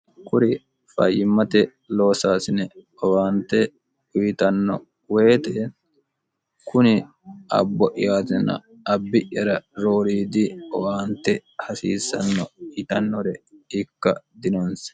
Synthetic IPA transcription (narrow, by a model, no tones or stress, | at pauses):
kʊɾɪ | fɐ̰jːɪmːɐt̪ɛ | loːsaːsɪnɛ | ɔwaːnt̪ɛ | ʊjɪt̪ɐnːɔ̰ | weːt̪ɛ | kʊnɪ | ʔɐ̰bːɔʔɪjaːt̪ɪnɐ̰ | ɐbːɪʔːɐɾɐɾo̞ːɾiːd̪ɪɔwaːnt̪ːɛhɐsḭːsːɐ̰nːɔt̪ɐnːɔɾɛɪkːɐd̪ɪnɔns